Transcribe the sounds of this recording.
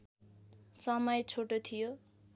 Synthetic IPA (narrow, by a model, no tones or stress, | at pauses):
sʌmʌjt͡sʰoʈot̪ʰijo